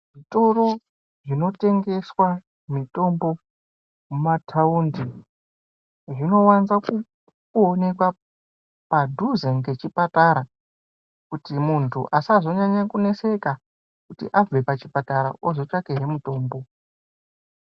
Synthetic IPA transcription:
ʐito̞ɾo̞ | ʐino̞te̞ŋɡe̞swa | mito̞mbo̞ | umatʰaundi | ʐino̞wanzaku | kone̞kwa | padʱuzeŋɡe̞t͡ʃipataɾa | kutimuntʰṵʔasazo̞ɲaɲakune̞se̞ka | kutḭʔab͡vepat͡ʃipataɾa̰ozo̞t͡ʃakeɦemuto̞ːmbo̞

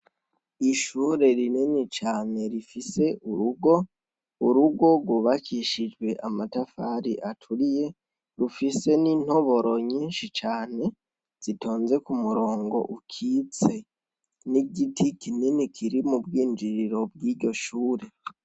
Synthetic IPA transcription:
iʃuːɾe̞ɾininit͡ʃaːne̞ɾifise̞ʔuɾuɡo̞ | uɾuɡo̞ɡwuβakiʃid͡ʒwe̞ʔamatafaːɾiʔatʰuɾije̞ | ɾufise̞niːn̥ho̞βo̞ɾo̞ɲiːnʃit͡ʃaːne̞ | z̥itʰo̞ːnze̞kumuɾo̞ːŋɡo̞̰ʔukʰit͡se̞ | niɟitʰikʰininikʰiɾimubɡiːnd͡ʒiɾiɾo̞b̚ɡiɾɟo̞ʃuːɾe̞

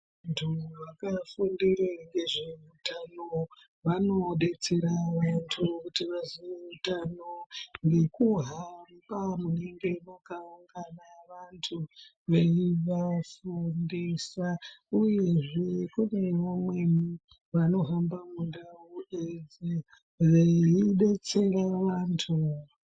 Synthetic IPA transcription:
antʰuʋakafundiɾeŋɡe̞ʐeutano | ʋano̞ɗe̞t͡seɾaʋantʰukutiʋaziʋeutanoŋɡe̞kuɦambamune̞ŋɡe̞makauŋɡanaʋantʰu | ʋe̞iʋafundesauje̞ʐekune̞ʋamweni | ʋano̞ɦambamundaued͡zi | ʋeiɗe̞t͡se̞ɾaʋantʰu

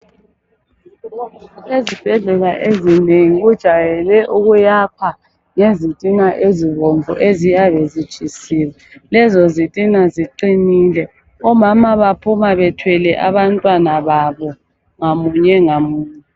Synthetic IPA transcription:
ezib̥ʱɛɮɛlaʔezineŋiɣud̥ʒ̥ʱajɛlɛʔuɣujapʰa | ŋezitʼinaʔeziβoɱvʱɔ̰ʔezijaβezit͡ʃʰʼisiːwɛlɛzɔzitʼinaziǃiniːlɛ | ɔmamaβapʰumaβɛtʰwɛlɛʔaβantʼwanaβaβɔ | ŋamuɲɛŋamuːɲɛ

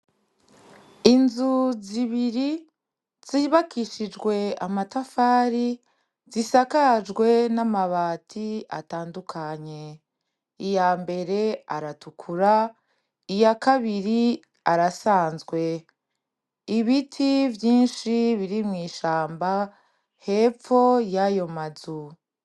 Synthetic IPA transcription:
inzuziβiɾi | z̥iβakʰiʃid͡ʒɡwe̞amatafaːɾi | zisakad͡ʒɡwe̞namaβaːtʰia̰taːndukʰaɲe̞ | ijaːmbe̞ɾe̞aɾatukʰuɾa | ijakaβiɾi | aɾasaːnzɡwe̞ | iβitʰivjiːnʃiβiɾimŋiːʃaːmba | he̞fo̞jajo̞mazu

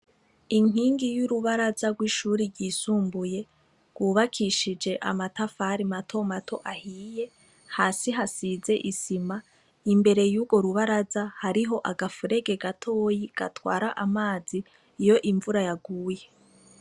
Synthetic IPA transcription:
iŋ̥iːŋɡijuɾuβaɾazaɡɡwiːʃuːɾiɾɡɟiːsuːmbuje̞ | ɡwuːβakʰiʃid͡ʒe̞ʔa̰matafaɾimatʰo̞matʰo̞ʔahiːje̞ | haːsiɦasize̞ʔisima | imbe̞ɾe̞juːɡo̞ɾuβaɾazahaɾiɦo̞ʔaɡafuɾe̞ɡe̞ɡatʰo̞ːjiɡ̥a̰twa̰ːɾaʔamaːziː | jo̞ʔiɱvuɾajaɡuːje̞

